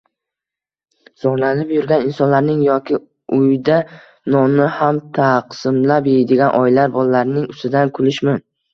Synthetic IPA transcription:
z̥ɒɾlanɪpjʊɾɡʲanɪnsɒnlaɾnɪŋjɒkʲʰɪ | ʊjd̪a | nɒnɪhamt̪ʰaqsɪmlapjed̪eɡʲanʔɒjlaɾbɒlalaɾnɪŋʊst̪ɪd̪ankʰʊlɪʃmɪn

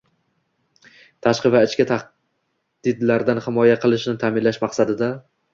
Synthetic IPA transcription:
t̪ʰaʃqɨvaɪt͡ʃkʲat̪ʰaχ | d̪̥ɪd̪laɾd̪anhɪmɒjaqʰɨlˠɪʃnɪt̪ʰaːmɪnlaʃmaqsad̪ɪd̪a

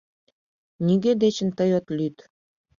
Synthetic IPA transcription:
niɡed̪et͡ɕə̆nt̪əjot̪lyt̪

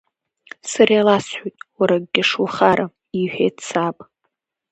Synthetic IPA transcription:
sarjalasħʷojtʼwaɾaɡɡʲaʂwaχaɾʔa | iħᶣḛjtʰt͡sʰapʼ

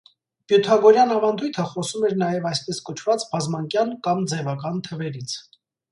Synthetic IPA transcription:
pjut̪ʰɑɡɔɾjɑnɑvɑnd̪ujt̪ʰəχɔsumɛɾnɑjɛvɑjspɛskɔt͡ʃʰvɑt͡sbɑzmɑŋkjɑnkɑmd͡zɛvɑkɑnt̪ʰəvɛɾit͡sʰ

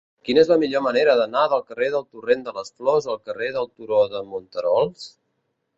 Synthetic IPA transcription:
kinəezləmiʎoməneɾəðənaðəlˠkəreðəlˠt̪urend̪ələsflɔzəlˠkəreðəlˠt̪uɾoðəmunt̪əɾɔlˠs

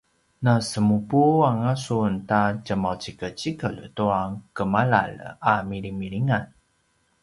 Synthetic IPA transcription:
nasəmupuaŋasuntad͡ʒəmawt͡ʃikət͡ɕikəltuakəmala̰lamiɾimiɭiŋan

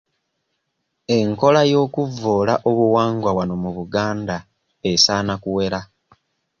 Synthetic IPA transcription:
e̞ŋko̞lajo̞ːkuvːoːlaʔoβuwaːŋɡwaβwano̞muβuɡaːnda | esaːnakuwe̞ɾa

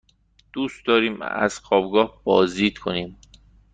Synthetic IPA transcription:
d̪̥uːst̪d̪ɒːɾiːmæ̰z̥xɒːbɡɒːhb̥ɒːzd̪iːd̪̥̚kʰoniːm

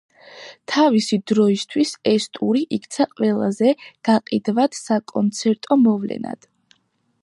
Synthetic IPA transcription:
t̪ʰavisid̪ɾɔist̪ʰwisɛst̪ʼuɾiʔikʰt̪sʰaqʼwɛlˠa̰zɛɡ̥aqʼid̪vad̪sakʼɔnt̪sʰɛɾt̪ʼɔmɔvlɛ̰na̰d̪̥

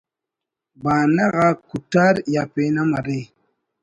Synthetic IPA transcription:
banaɣakutaɾjapenamaɾe

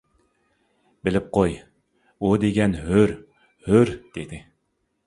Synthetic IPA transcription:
bɪlɪp̚qʰoj | ud̪eɡʲɛnɦøɾ | høɾd̪̥ed̪ɪ

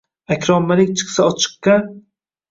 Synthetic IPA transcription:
akʲʰɾɒmːalɪk̚ʲt͡ʃʰɨ̥qsaɒt͡ʃʰɨ̥qːa

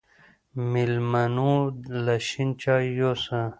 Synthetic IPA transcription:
milmɐnulɐɕint͡ɕaːjosa

